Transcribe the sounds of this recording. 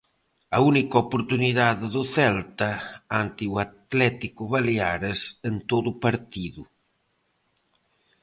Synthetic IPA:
aunikopuɾt̪uniðaððuθɛlt̪aant̪iwat̪lɛt̪ikuβaleaɾəsənt̪oðupaɾt̪iðu

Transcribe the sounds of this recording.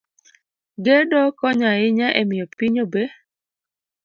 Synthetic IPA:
ɡedɔkɔɲaɪɲaʔemɪopiɲobe

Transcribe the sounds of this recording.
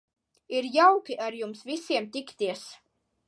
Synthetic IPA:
iɾjawkʲiʔaɾjumsvisiɛmt̪ʲikt̪iɛs

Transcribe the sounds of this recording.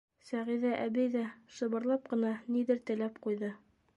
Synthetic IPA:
sæʁiðæʔæβɘjðæʃɤ̆βɤ̆ɾlˠɑp̚qɤ̆nɑniðɘɾt̪ɘ̆læp̚qujðɤ

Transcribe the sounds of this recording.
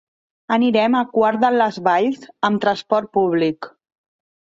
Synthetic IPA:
əniɾɛməkwaɾðələzβaʎzəmt̪ɾənspɔɾt̪̚puβlik

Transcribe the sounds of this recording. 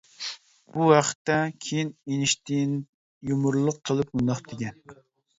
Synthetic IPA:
b̥uwɑqə̥t̪ːɛkʲʰejinenɪʃt̪ɪn | jumuɾlˠʊq̚qʰəlˠɨp̚ɡund̪ɑχd̪ekʲɛn

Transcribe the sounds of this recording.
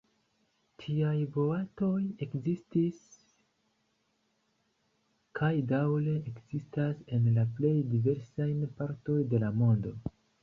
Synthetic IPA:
tʰiajbo̞ato̞je̞kzistis | kʰajdawle̞ekz̥istase̞nlaple̞jdive̞ɾsajnpaɾto̞jde̞lamo̞ndo̞

